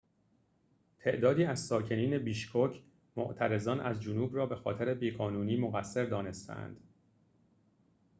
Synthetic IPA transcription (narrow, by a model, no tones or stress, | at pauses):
t̪ʰe̞̰ʔd̪ɒːd̪iːæzsɒːcʰe̞niːne̞biːʃkʰocʰ | mo̰ʔt̪ʰæɾe̞zɒːnʔæzd͡ʒonuːbrɒːbe̞xɒ̰ːt̪ʰe̞ɾe̞biːɣɒːnuːniːmoɣæsːe̞ɾd̪ɒːne̞st̪ʰæ̰æ̰nd̪̥